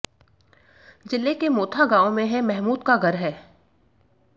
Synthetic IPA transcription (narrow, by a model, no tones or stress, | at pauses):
d͡ʒɪlːekemoːt̪ʰaɡãːõmẽɦɛ̃mɛɦmuːd̪kaɡʱɐɾɦɛː